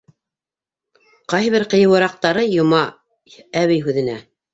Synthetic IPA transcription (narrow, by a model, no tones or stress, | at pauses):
qɑjβɘɾqɤ̆jɤ̆wɤ̆ɾɑq̚t̪ɑɾɤjŏmɑ | æβɘjɦʉðɘ̆næ